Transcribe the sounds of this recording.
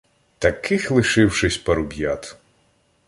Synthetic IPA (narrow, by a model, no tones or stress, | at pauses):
t̪ɐkɪxlˠɪʃɪwʃɪsʲpɐɾʊbʲjat̪